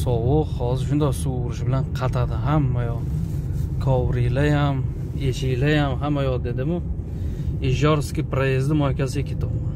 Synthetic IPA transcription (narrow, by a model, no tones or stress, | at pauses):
sɒwʊqhɒzɪɾʃʊnd̪ɒsuwʊɾɪʃbɪlanqʰɑt̪ʰad̪ɪɦamːajɒ | kʰɒwɾijlajam | et͡ʃɪjlajamɦamːajɒd̪ed̪ɪmʊ | ɪʒɒɾskʲɪpɾajezd̪ɪmɒjkʲasɪɡekʰʲet̪ʰʊm